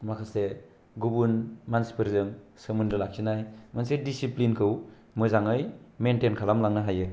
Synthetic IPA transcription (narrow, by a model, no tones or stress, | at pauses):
makʰase | ɡubunmansi̥pʰɯɾzɯŋsɯmunlɯlak̚sʰinajmansedisiplinkʰɯw | mɯzaŋɯjmentenkʰalamlaŋnaɦajɯ